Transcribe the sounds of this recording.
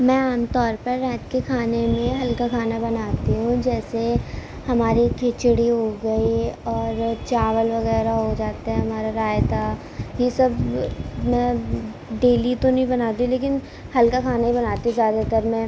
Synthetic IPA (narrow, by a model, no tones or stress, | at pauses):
mɛ̃ːaːmt̪ɔːɾpɐɾːɛːt̪kekʰaːnemẽɦɐlkakʰaːnabɐnaːt̪iɦũd͡ʒɛːse | hɐmaːɾikʰeːt͡ʃɽiɦoɡɐiɔːɾt͡ʃaːʋəlʋɐɣɛːɾaɦod͡ʒaːt̪aɦɛɦɐmaːɾaɾaːjt̪ʰa | jesɐb | mɛ̃ | ɖeːlit̪onɐɦĩbɐnaːt̪ĩleːkɪn | hɐlkakʰaːnaɦĩbɐnaːt̪iɦũzjaːd̪at̪ɐɾmɛ̃ː